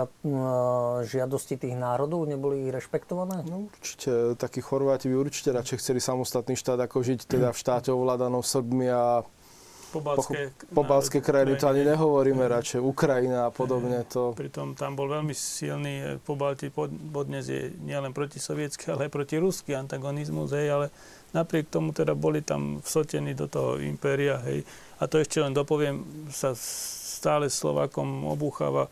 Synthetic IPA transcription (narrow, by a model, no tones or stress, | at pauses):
ʒɪad̪ɔscit̪iːɣnaːɾɔd̪ɔʊɲɛbɔliːɣɾɛʃpɛkt̪ɔʋanɛːnɔuɾt͡ʃi̥cʰɛt̪akiːxɔɾʋaːciʋiuɾt͡ʃi̥cɛɾat͡ʃɛjxt͡sɛlisamɔst̪at̪niːʃt̪aːd̪akɔʒict̪ɛd̪afʃt̪aːcɛɔʋlaːd̪anɔmsbmia | pɔblpɔpɔbalskɛːkɾajinit̪ɔaɲiɲɛɦɔʋɔɾiːmɛɾat͡ʃɛjukɾajinaːpɔd̪ɔbɲɛt̪ɔpɾit̪ɔmt̪ambɔlʋɛlmisilnḭːpɔbalciɔpɔd̪ɲɛzjɛ̰ɲɪɛlɛnpɾɔcisɔʋɪɛt͡skialɛajpɾɔciɾuskiant̪aɡɔnizmṵzɦɛjalɛ | napɾɪɛk̚t̪ɔmut̪ɛd̪abɔlit̪a̰mfsɔcɛniːd̪ɔt̪ɔɦɔ̰ḭmpɛːɾiaɦɛ̰j | at̪ɔɛʃcɛlɛnd̪ɔpɔʋɪɛmsast̪aːlɛslɔ̰ʋa̰ːkɔmɔ̰buːxa̰ːʋa